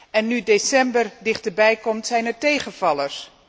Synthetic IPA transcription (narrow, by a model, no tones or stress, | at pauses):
ɛnːydesɛmbərdɪχtəɹbɛjkɔmtsɛjnɛɹtejχənvɑləɹs